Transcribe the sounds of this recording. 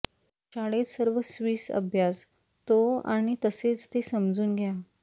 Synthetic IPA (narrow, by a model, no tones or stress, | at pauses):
ɕaɽet͡ssəɾʋəsʋiːsə̰bʱjas | t̪oa̰ɽ̃it̪əset͡st̪esəmd͡zuːnɡʱja